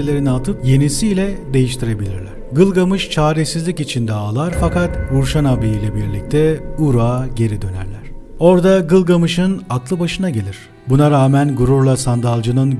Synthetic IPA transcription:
lʲe̞ɾinat̪ʰɯpje̞nisijlʲɛd̪e̞jiʃt̪ʰiɾe̞bilʲiɾlʲæɾ̥ɡɯlˠɡamɯʃt͡ʃʰaːɾesizlʲicit͡ʃʰind̪ɛalˠaɾfakat̪uɾʃanabiijlʲɛbiɾlʲic̚t̪ʰɛuɾaːɟe̞ɾid̪ø̞næ̰ɾlʲæɾ̥ | o̞ɾd̪aɡɯlˠɡamɯʃɯnaklˠɯbaʃɯnaɟelʲiɾ̥ | bunaɾaːmænɡuɾuɾlˠasand̪alˠd͡ʒɯnɯn

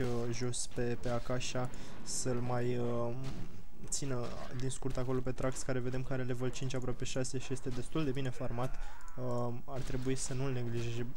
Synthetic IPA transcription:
əʒo̞spe̞pe̞akaʃa | səlmajə | t̪sinə | d̪inskurt̪ako̞lo̞pe̞t̪ɾakskaɾe̞ve̞d̪e̞mkəaɾelevəlt͡ʃint͡ʃapɾoape̞ʃase̞ʃije̞st̪e̞d̪e̞st̪uld̪e̞bine̞format̪ | art̪ɾe̞buisənulne̞ɡliʒeʒe

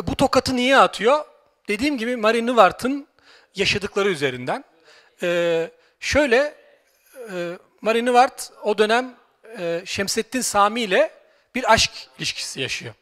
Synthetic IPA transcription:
but̪ʰo̞kat̪ʰɯnijɛat̪ʰɯjo̞ | d̪̥e̞d̪iːmɟibimaɾinɯvaɾt̪ʰɯn | jaʃad̪ɯklˠaɾɯyze̞ɾind̪ænː | ʃø̞jlʲɛ | maɾinɯvaɾt̪o̞d̪ø̞næm | ɛːʃɛmsɛt̪ʰːinsaːmiːlʲɛ | b̥iɾaʃcilʲiʃcʰi̥sijaʃɯjo̞̰

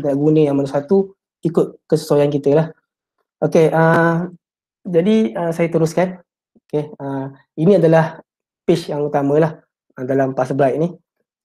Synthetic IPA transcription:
t̪əaʔɡunə̃jaŋmənusat̪u | ikʊt̪̚kəsə̥sojankit̪əlah | ʔokeʔə | d͡ʒadiəsajat̪əɾʊskan | okeə | inĩadalah | pɪsjaŋut̪amə̃lah | ədalampasəbɾajʔ̚ni

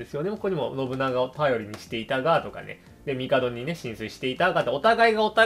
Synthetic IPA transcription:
esɨjo̞nemkoɲ̟imo̞no̞bɯ̟naɡap̪ajo̞ɾʲiɲ̟iɕi̥t̪e̞it̪aɡaːt̪o̞ka̰nḛ | d̪e̞mʲikad̪o̞ɲ̟ine̞ɕĩɰ̃sɨiɕi̥t̪e̞it̪aɡaːt̪ːeo̞t̪aɡaiɡao̞t̪a

